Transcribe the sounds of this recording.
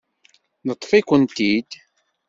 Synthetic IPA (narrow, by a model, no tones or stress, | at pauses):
nət̪ˤːfikʷənt̪id̪